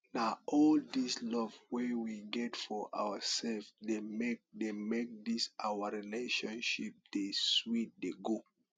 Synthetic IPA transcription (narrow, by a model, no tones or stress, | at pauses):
naʔɔldislɔvwɛwiɡɛtfɔʔa̰wəsɛlvdemek̚demek̚disʔawəɹileʃɔ̃nʃip̚d̥eswit̚deɡo